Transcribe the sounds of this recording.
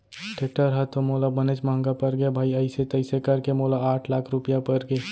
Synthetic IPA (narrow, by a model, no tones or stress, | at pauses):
ʈeːk̚ʈəɾɦat̪omoːlabəneːt͡ʃmaɦə̃ŋɡapɐɾɡebʱaːiəɪset̪ɐɪsekɐɾkemoːlaaːʈʰlaːkʰɾʊpijapəɾɡe